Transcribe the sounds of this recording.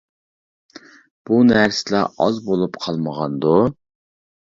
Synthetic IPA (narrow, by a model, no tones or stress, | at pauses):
b̥unæɾsɪlɑʔɑzbolˠupqʰɑlˠməʁɑnd̪u